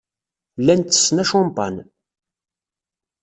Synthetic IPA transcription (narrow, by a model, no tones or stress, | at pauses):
lːænt̪ːə̥sːnæʃomt̪ɑ̰n